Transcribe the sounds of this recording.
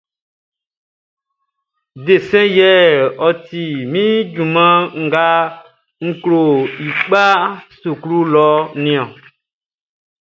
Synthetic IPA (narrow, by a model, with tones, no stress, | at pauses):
de˨sɛ̃˦jɛ˦ɔ˨ti˨mĩ˦d͡ʒu˨mã˦ŋ̩˦ɡa˦ | ŋ̩˦klo˨i˨k͡pa˦su˨klu˦lɔ˦nĩ˨ɔ̃˨